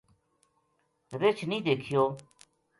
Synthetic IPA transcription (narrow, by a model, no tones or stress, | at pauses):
ɾɪt͡ʃʰnĩːd̪eːkʰɪjoː